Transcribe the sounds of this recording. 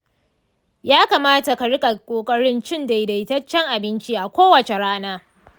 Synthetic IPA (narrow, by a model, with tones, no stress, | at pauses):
jaː˦kaː˨maː˦ta˨ka˨ɽɪ˦kʼa˨kʷʼoː˨kʼɐ˦ɽɪ˦nt͡ʃɪ˦nda˨jda˨tɐ˦t͡ʃːɛ˦ŋʔa˨bɪ˦nt͡ʃiː˦ʔa˨kʷoː˦wɐ˨t͡ʃe˨ɽaː˦naː˦